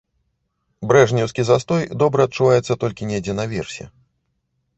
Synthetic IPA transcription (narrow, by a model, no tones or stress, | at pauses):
bɾɛʐnʲɛwskʲizast̪ɔjd̪ɔbɾɐɐt̪̚t͡ʂuvajɛt̪sːɐt̪ɔlʲkʲinʲejd͡zʲɛnɐvʲɛrsʲɛ̰